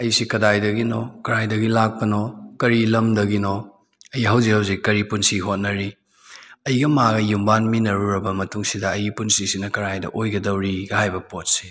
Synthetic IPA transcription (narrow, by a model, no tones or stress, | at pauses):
ɐjsikɐdajdɐɡinɔ̰kɐɾajdɐɡilak̚pɐnɔkɐɾilɐmdɐɡinɔ | ɐjɦɐwzikhɐwzikɐɾipunsiɦot̚nɐɾi | ɐjɡɐmaɡɐjumbanminɐɾuɾɐbɐmɐtuŋsidɐːjipunsisinɐkɐɾajdɐ̰ʔojɡɐdɐwɾiɡɐhajbɐpot̚si̥